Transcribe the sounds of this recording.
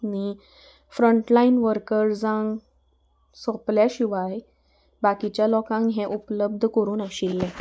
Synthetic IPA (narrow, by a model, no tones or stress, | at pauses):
mi | fɾəɳʈlainʋəɾkəɾd͡zãŋɡ | sɔ̃pljaɕiʋaj | bakit͡ɕjalɔkãŋɡɦɛ̃ʔupləb̚d̪ʱkəɾuːnaɕilːɛ